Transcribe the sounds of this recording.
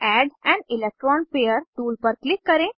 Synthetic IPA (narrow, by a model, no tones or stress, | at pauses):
æɖɛ̃ɳɖilek̚ʈɾɔ̃npejəɾʈuːlpəɾklikːəɾẽ